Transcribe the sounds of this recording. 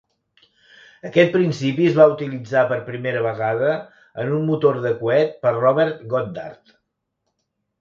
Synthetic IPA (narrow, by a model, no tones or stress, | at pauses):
əkɛt̪̚pɾinsipiəzβaut̪ilid͡zapəɾpɾimeɾəβ̞əɣað̞ə | ənunmut̪oɾðəkuɛt̪̚pərrɔβɛɾt̪ɡɔt̪̚d̪a̰rt̪